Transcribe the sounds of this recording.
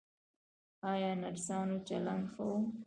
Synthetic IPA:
ɑjɑnaɾsɑnot͡ʃaland̪xawu

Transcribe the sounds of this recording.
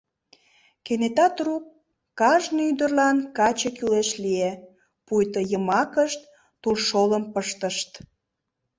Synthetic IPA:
kenet̪ɑt̪rukː | ɑʒnyd̪ərlɑnkɑt͡ɕekyleʃlie | pujt̪əjəmɑkəʃt̪ː | ulʃoləmpəʃt̪əʃt̪

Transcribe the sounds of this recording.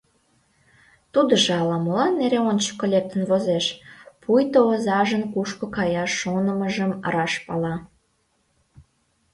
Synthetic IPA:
t̪ud̪əʒeɑlɑmolɑnːeɾeont͡ɕə̥kːolʲek̚t̪ənvozeʃpʰujt̪oozɑʒənkuʃkokɑjɑʃːonəməʒəm̰ɾɑʃpɑlɑ

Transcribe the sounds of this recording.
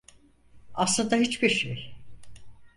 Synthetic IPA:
aslˠɯnd̪ait͡ʃbiɾʃḛj

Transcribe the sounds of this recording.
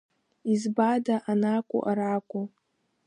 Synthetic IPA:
izbadaʔanakʷʼʊ̰ʔaɾakʷʼu

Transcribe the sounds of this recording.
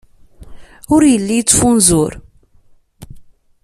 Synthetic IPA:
ʊɾjəlːijt͡sːfunzʊɾ

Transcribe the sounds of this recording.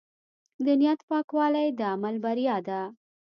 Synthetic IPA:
d̪ənijat̪pɑkwɑlajd̪əamalbaɾijɑd̪a

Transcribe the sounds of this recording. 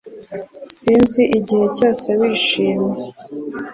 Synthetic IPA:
siːnziʔiɟihe̞co̞ːsewiːʃiːmɲe

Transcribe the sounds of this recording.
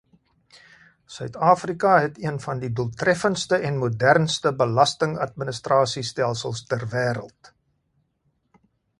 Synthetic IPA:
sœɥtɑːfrikɐɦɛtiənfɐndiduəlˠtrɛfənstəʔɛnmudærnstəbəlɐstəŋɐ̰t̚mənəstrɑːsistɛlˠsəlˠstærvæːɾə̰lˠt

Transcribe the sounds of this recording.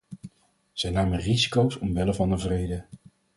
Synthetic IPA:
z̥ɛjnaːmərizikowsɔmʋɛləvɑndəvrejdə

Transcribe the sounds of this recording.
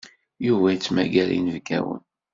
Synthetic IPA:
juvæjt͡sːmæɡæɾḭnəvɡæ̰wə̰n

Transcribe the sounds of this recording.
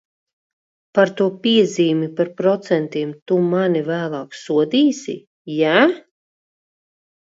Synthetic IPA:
paɾt̪uɔpiɛziːmipaɾpɾɔt̪sɛnt̪iɛmt̪umanivæːlˠɑːksuɔd̪iːsḭ | jaː

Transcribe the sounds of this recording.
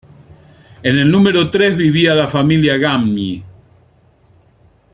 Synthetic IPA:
ene̞lnũmeɾot̪ɾezβiβialafamiljaɣammi

